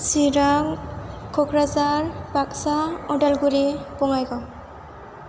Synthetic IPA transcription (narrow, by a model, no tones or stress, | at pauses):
siɾaŋkʰɔkʰɾazaɾbak̚saɔdalɡuɾipɔŋajɡɔ